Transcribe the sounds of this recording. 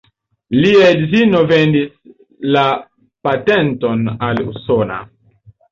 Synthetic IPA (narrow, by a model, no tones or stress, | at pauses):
liaedzinovendis | la | pate̞nto̞nalṵso̞na̰